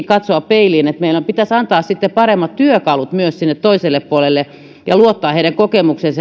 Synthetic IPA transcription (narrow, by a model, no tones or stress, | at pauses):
kɑt̪soɑppeiliːnet̪meilːompit̪æsɑnt̪ɑːssit̪ːepɑremːɑt̪t̪yøkɑlut̪myøssinːet̪toiselːeppuolelːe | jɑluot̪ːɑːeiɾæŋkokemuksens